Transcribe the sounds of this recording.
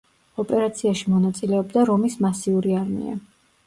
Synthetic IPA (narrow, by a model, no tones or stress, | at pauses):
ɔpʼɛɾat̪sʰiaʃimɔnat̪sʼilɛɔbd̪aɾɔmismasiuɾiaɾmḭa̰